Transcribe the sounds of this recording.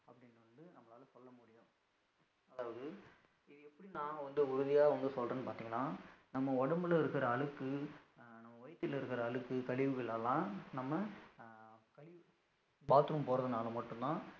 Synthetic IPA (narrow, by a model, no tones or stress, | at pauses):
ɐpːɐɽɪnɖʋɐnɖɯnɐmːɐɭaːlɐsɔlːɐmuːɽɪjʊ̃ | ɐðaːʋɐðɯ | ɪɛpːɐɽinãːʋɐnd̪ɯʊɾʊðɪjaːʋɐnd̪ɯsɔlrẽːnːɯpaːɾt̪iːŋɡɐlːãːnɐmːɐɔɽɐmbɯlɪɾɯkːɪɾɐːɭɯkːɯnɐmːɐʋɔjɐt̪ːɪlɪɾɯkːɪɾɐːɭɯkːɯkɐɭɪʋɯɣɐɭɛlːãːnɐmːɐ | kɐɭɪʋɯ | baːt̪ɯɾɯmpoːɾɐðɐnaːlɐmɐʈːɯ̃nt̪ãː